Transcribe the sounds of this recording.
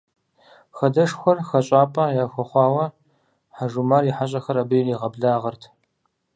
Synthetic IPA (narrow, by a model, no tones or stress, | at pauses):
xɐdɐʂxʷɔrxɐɕʼaːpʼɐjaːxʷɐχʷɑːwɐ | ħaʒumariħaɕ̬ʼɐxɐɾɐbɨjliʁɐbɮaːʁɐrtʰ